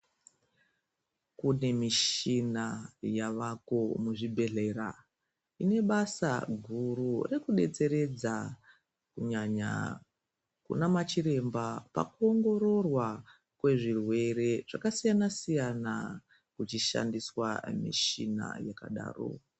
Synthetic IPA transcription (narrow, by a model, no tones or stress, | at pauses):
kune̞miʃinajaʋako̞muʐibʱe̞ɮe̞ɾa̰ | ine̞ɓasa̰ɡʱurure̞kuɗe̞t͡se̞ɾe̞d͡za | kuɲaɲa̰ | kṵnamat͡ʃiɾe̞mbapa̰kuo̞ŋɡo̞ɾo̞rwa | kwe̞ʐirwe̞re̞ʐ̥akasijanasijana | kut͡ʃiʃa̰ndiswa̰mḭʃina̰jaka̰ɗa̰ːro̰